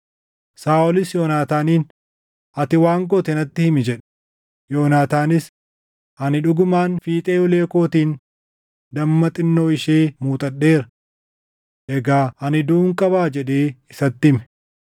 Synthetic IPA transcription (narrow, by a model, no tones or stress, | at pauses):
saːɔlɪsjoːnaːt̪aːniːn | ɐt̪ɪwaːŋɡɔt̪ɛnɐt̪ːɪhɪmɪd͡ʒɛᶑɛ̥ | joːnaːt̪aːnɪs | hɐnɪᶑʊɡʊmaːnfiːt̪ʼeːjɔle̞ːko̞ːt̪iːn | d̪ɐmːɐt̪ʼɪnːoːɪʃeːmuːt̪ʼɐɗːe̞ːɾɐ | ʔɛɡaːhɐnɪd̪uːŋkʼɐbaːd͡ʒɛᶑeːɪsɐt̪ːɪmɛ̥